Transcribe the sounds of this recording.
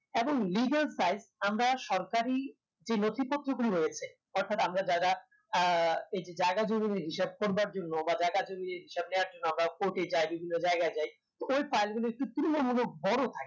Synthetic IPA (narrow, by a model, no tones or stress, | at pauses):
eboŋliɡalsajzamɾaʃɔɾkaɾi | d͡ʑenot̪ʰipot̪ːɾoɡuliɦojet͡ɕʰe | ɔɾt̪ʰat̪amɾad͡ʑaɾa | ejd͡ʑed͡ʑaeɡad͡ʑomineɾɦiʃeb̚koɾbaɾd͡ʑonːobad͡ʑaɡad͡ʑomideɾɦiʃeb̚neaɾd͡ʑonːoamɾakoʈed͡ʑajbibʱinːod͡ʑaeɡaed͡ʑaj | t̪oojpajlɡuloek̚ʈut̪uɾonoɾmulobɔɾot̪ʰake̥